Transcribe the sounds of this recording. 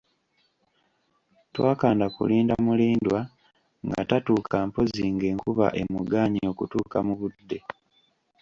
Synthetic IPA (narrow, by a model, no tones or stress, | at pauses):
twaːkaːndakṵliːndamuliːndwa | ŋɡa̰tatuːkaːmpo̞ziŋɡe̞ːŋkuβa̰ʔemuɡaɲio̞kutuːkamuβud̪ːe̞